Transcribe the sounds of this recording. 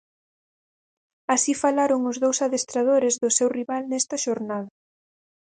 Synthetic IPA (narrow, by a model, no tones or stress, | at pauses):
asifalaɾʊŋʊzðowsaðest̪ɾað̞oɾɪzðʊsewriβalnɛst̪ɐʃoɾnað̞ɐ